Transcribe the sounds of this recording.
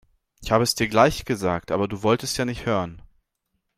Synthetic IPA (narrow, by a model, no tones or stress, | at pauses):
ʔɪçhaːbəɛsd̥iːɐɡlaɪçɡ̥əzaːk̚tʔaːbɐduːvɔltəstjaːnɪçthøːʁən